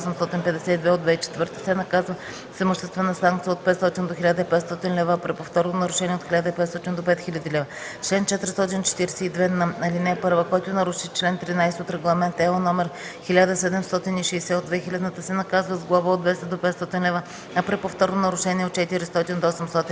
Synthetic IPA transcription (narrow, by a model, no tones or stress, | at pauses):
sɛmst̪ɔt̪inpɛd̪ɛsɛid̪vɛod̪vɛit͡ʃɛ̥t̪vɤɾt̪ə̥sɛnɐkazvə | səmoʃt̪ɛst̪vɛnəsaŋk̚t̪sijəot̪̚pɛt̪st̪ɔt̪ind̪oxʲilʲad̪əipɛt̪st̪ɔt̪inlɛvəːpɾɛpoft̪ɔɾnonɐɾʊʃɛniɛot̪xʲilʲad̪əipɛt̪st̪ɔt̪ind̪opɛt̪xilʲəd̪ilɛvə | t͡ʃlɛnt͡ʃɛt̪ɾist̪ɔt̪int͡ʃɛ̥t̪iɾɛsɛid̪vɛnɐɐlinɛpɤɾvəkɔjt̪ʊnɐɾuʃit͡ʃlɛnt̪ɾinajsɛot̪ɾɛɡlˠɐmɛnt̪ɛonɔmɛɾ | xilʲad̪əsɛd̪ɛmst̪ɔt̪iniʃɛjsɛod̪vɛxilʲɐd̪nət̪əsɛnɐkazvəzɡlˠavəod̪vɛst̪əd̪opɛt̪st̪ɔt̪inlɛvə | ɐpɾɛpoft̪ɔɾnonɐɾʊʃɛnʲiɛot̪̚t͡ʃɛt̪iɾist̪ɔt̪ind̪oɔsɛmst̪ɔt̪in